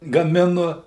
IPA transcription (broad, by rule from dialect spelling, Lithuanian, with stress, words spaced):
ɡɐˈmʲɪnʊ